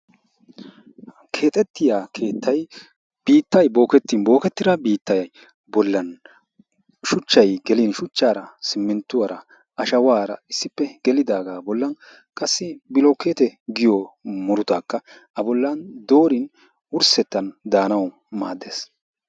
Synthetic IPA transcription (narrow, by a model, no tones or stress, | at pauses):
kʰe̞ːt̪ʼɛt̪ːɪjaːkʰe̞ːt̪ʰːɐj | b̥iːt̪ːɐjbo̞ːkɛt̪ːinbo̞ːkɛt̪ːɪd̪ɐbiːt̪ːɐjɐj | bɔlːɐn | ʃʊt͡ʃːɐjɡɛlɪnʃʊt͡ʃːaːɾɐsɪmːɪnt̪ːʊwɐɾɐ | ʔɐʃɐwaːɾɐ̰ɪsːɪpːɛɡ̥ɛlɪd̪aːɡaːbɔlːɐn | kʼɐsːɪbɪlɔkːeːt̪ɛɡɪjɔmɔɾʊt̪aːkːɐ | ɐbɔlːɐnd̪o̞ːɾɪn | ʊɾsɛt̪ːɐnd̪aːnɐw | ma̰ːd̪ːeːs